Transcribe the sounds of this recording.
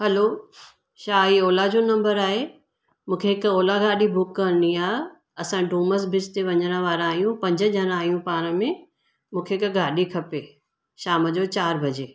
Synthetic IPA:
ɦɐloː | ʃaːiɔːlad͡ʑoːnɐ̃mbəɾaːɦe | mũːkʰeɦɪkɔːlaɡaːɗibʱʊkːəniaː | ɐsãɖuːməs̬bʱɪst̪eʋɐ̃ɲəɽ̃ə̆ʋaːɾãaːɦijũpɐ̃ɲd͡ʑə̆d͡ʑɐñaːɦijũpaːɾ̃ə̆mẽ | mũːkʰeɪkɡʱaːɗikʰɐpeː | ʃaːməd͡ʑot͡ɕaːɾbʱɐd͡ʑeː

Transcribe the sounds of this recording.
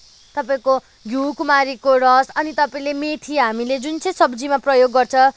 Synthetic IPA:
t̪ʌpaĩko | ɡʱjukumaɾikoɽʌsʌnit̪ʌpaĩlemeʈʰiɦamiled͡zunt͡sʰʌj̃sʌbd͡zimaprʌjoɡːʌrt͡sʰʌ

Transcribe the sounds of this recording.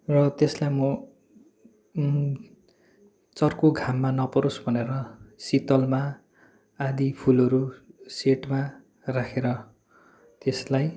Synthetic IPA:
rʌt̪eslajmʌ | t͡sʌrkoɡʱamːanʌpʌɾosbʱʌneɾʌsit̪ʌlma | ad̪ipʰulʌɾuseʈma | rakʰeɾʌ | t̪eslaj

